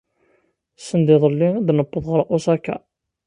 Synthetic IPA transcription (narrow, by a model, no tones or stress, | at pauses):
sənd̪ɪðˤəlːiad̪nəbːəðˤʁəɾˤʔʊsækːæ̰